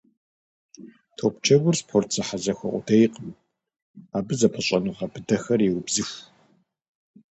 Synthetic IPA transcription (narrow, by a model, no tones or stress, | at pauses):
tʰoːpt͡ʃʰɐɡʷʊrspħʷʊrt͡sʰɐħazɐxʷɐ̰ʔʷʼʊ̰dʰejqʼəm | aːbɨzɐpʰɐɕʼɐnuːχɐbɨdɐxɐrjɛwʊbzɨxʷ